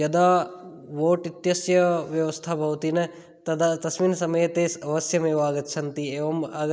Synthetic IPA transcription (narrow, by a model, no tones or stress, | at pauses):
jɐd̪aː | ʋoːʈit̪jɐsjɐʋjɐʋɐst̪ʰabʱɐʋt̪inɐ | t̪ɐd̪at̪ɐsmiːnɐsɐmɐjɐt̪eːsɐʋɐsjɐmeːʋaːɡɐt̪ːt͡ʃʰɐnt̪ieːʋɐmaːɡɐ